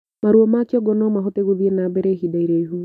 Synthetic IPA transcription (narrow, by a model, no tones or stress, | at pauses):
maɾuɔmakiɔɡɔnɔmaɦɔteɣuðiɛnabɛɾɛɦiɗaiɾɛiɦu